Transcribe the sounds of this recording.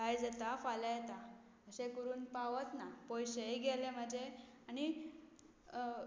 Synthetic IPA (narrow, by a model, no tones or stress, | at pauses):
kajd͡zat̪afalajet̪a | əsekəɾuːnpaʋət̪napɔjɕejɡelem̤əd͡ʑe | añi